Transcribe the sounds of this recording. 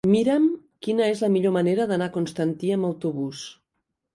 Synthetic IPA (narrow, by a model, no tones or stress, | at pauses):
miɾəm | kinəezləmiʎoməneɾəðənakunst̪ənt̪iəmbəwt̪uβus